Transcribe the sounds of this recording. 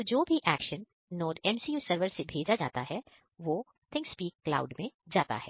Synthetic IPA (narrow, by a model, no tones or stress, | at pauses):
d͡ʒoːbʱiʔɛːkʃənː | oːɖɛmsiːjuːsəɾʋəɾsebʱeːd͡ʒad͡ʒa̰ːt̪aɦɛ | ʋoː | t̪ʰɪ̃ŋkspiːkːla̰ːʊɖmẽd͡ʒaːt̪a̰ɦɛ̰ː